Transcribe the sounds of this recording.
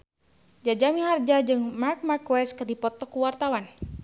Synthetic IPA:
d͡ʒad͡ʒamiɦard͡ʒad͡ʒɨŋmark̚markwɛskədipɔt̪ɔkuwart̪awan

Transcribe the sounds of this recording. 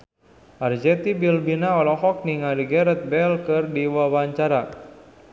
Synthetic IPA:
ʔard͡ʒɛt̪ibilbinaɔlɔhɔk̚niŋadiɡɛɾɛt̪̚bɛlkɨrdiwawaɲt͡ʃaɾa

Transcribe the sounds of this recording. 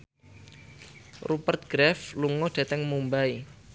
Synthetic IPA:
rupərt̪̚ɡ̥ɾɛfluŋɔɖ̥e̤t̪ɛŋmumbai

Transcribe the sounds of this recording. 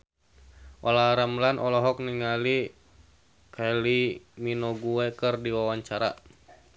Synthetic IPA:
ʔɔlaɾamlanʔɔlɔɦɔk̚niŋali | kaliminɔɡuɛkɨrdiwawaɲt͡ʃaɾa̰

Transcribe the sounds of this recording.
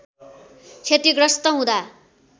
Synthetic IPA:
t͡sʰet̪iɡrʌst̪ʌɦũd̪a

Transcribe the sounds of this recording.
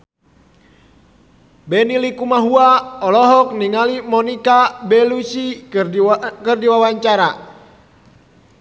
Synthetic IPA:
bɛnilikumaɦuaɔlɔɦɔk̚niŋalimɔnikabɛlusi | kɨrdiwawaɲt͡ʃaɾa

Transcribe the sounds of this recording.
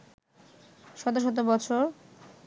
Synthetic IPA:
ʃɔt̪̬oʃɔt̪̬obɔt͡ɕʰoɾ

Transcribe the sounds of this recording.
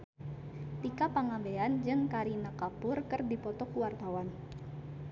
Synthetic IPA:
t̪ikapaŋambeand͡ʒɨŋkaɾinakapʊrkɨrdipɔt̪ɔkuwart̪awan

